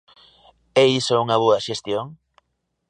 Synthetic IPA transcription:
eisouŋɐβ̞oɐʃest̪joŋ

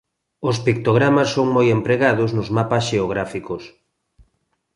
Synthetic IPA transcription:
ospik̚t̪oɣɾamasːoŋmojempɾeɣaðʊznʊzmapasʃeoɣ̞ɾafikos

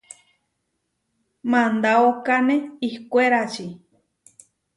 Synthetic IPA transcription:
mãnd̪aokanẽihkʷeɾat͡ʃi

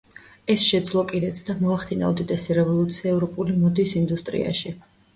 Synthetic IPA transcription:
ɛsʃɛd̪zlˠɔkʼid̪ɛt̪sʰd̪amɔaχt̪ʰina̰ɔd̪id̪ʼɛsiɾɛvɔlˠut̪sʰiaɛvɾɔpʼulimɔd̪isind̪ust̪ʼɾḭa̰ʃi

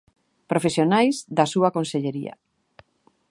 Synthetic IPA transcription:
pɾofesjonajzðasuakonseʎeɾḭa̰

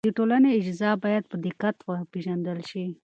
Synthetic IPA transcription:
d̪əʈolaneɪd͡ʒzɑbɑjad̪̚pəd̪ɪkat̪wəpeʒand̪əlʃi

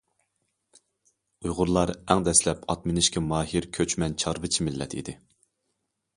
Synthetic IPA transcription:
ujʁʊɾlˠɑɾæŋd̪ɛslɛpɑt̪mɪnɪʃkʲɛmɑːɦiɾkʲʰøt͡ʃmɛnt͡ʃʰɑɾvɨt͡ʃʰimɪlːɛ̰t̪ʰḭd̪ɪ

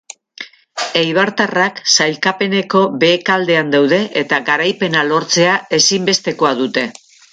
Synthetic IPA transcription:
ejβ̞aɾt̪araksajlkape̞ne̞ko̞be̞ːkald̪e̞and̪awðe̞ʔet̪aɣaɾajpe̞nalo̞ɾt͡se̞ae̞simbe̞st̪e̞ko̞aðut̪e̞

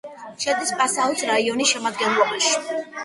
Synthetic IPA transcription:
ʃad̪ispʼasaɔt̪ʰɾaiɔnisʃɛmad̪ɡɛnlˠɔbaʃi̥

